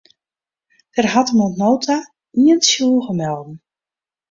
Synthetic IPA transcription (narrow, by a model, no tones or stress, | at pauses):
d̥ərɦɑtəmɔtnoːtʰa | iənsjulˠɣəmɛlˠdn̩